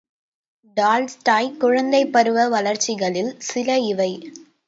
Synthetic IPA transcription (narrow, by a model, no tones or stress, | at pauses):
ɖaːlsʈaːjkʊɻɐnd̪ɐɪpːɐɾɯʋɐʋɐlɐɾt͡ʃːɪɣɐɭɪlsɪlɐɪʋɐɪ